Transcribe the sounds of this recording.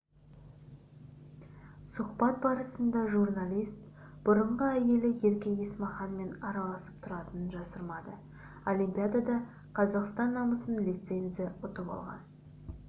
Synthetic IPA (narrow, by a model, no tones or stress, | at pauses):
sʊqbɑt̪̚bɑɾəsənd̪ɑʒurnalʲijst̪̚b̥ʊɾəɴʁəæje̞lɪje̞ɾkʲeje̞smɑχɑnme̞nɑɾɑlˠɑsə̥p̚t̪ʰʊɾɑt̪ənənʒɑsəɾmɑd̪ə | olʲijmpʲijad̪ad̪ɑ | qʰɑzɑqst̪ɑnːɑmbəsənlʲet̪se̞nzɪʊt̪əbɑ̰lˠʁɑ̰n